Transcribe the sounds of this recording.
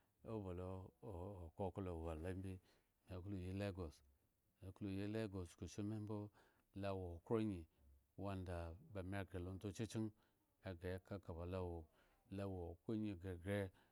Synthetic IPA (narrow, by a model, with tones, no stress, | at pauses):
o˦bo˨lo˦o˨o˨ko˦ku˦lo˨wa˨la˦m˦bi˦ | m˨a˨ku˦lo˨ji˦le˦ɡo˨s | ma˨ku˦lu˨ji˦le˦ɡo˨sku˨ʃi˦me˦m˦bo˦ | la˦wo˨o˨kɾo˦ɲi˨ | wa˦nda˨ba˨mʲ˦a˦ɡe˨lo˦n˦to˦t͡ʃi˦t͡ʃi˦ŋ | a˨ɡe˨˦ka˦ka˨ba˨la˦wo˨ | la˦wo˨ko˦ɲi˨ɡe˨ɡe˦